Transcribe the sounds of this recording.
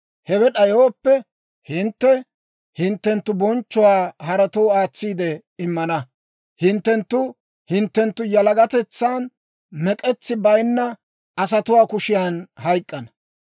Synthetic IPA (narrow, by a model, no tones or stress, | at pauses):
hɛwɛɗɐjoːpːɛ | hɪnt̪ːɛ | hɪnt̪ːɛnt̪ːʊbɔnt͡ʃːʊwaːhɐɾɐt̪ɔwaːt͡sːiːd̪ɛ | ɪmːɐnɐ | hɪnt̪ːɛnt̪ːʊ | hɪnt̪ːɛnt̪ːʊjɐlɐɡɐt̪ɛt͡sːaːn | mɛkʼɛt͡sːɪbɐjnːɐ | ɐs̬ɐt̪ʊwaːkʊʃɪjaːnhɐjkʼːɐnɐ